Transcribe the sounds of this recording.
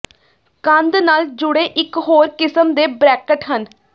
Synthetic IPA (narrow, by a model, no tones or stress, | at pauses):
kənd̪naːld͡ʒʊɽeːʔɪkɦoːɾkɪsəmd̪eːbɾɛːkəʈɦən